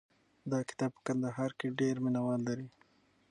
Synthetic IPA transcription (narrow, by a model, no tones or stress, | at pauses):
d̪ɑkɪ̥t̪ɑb̚pə̥kand̪aɦɑɾkeɖeɾmɪnawɑlːaɾi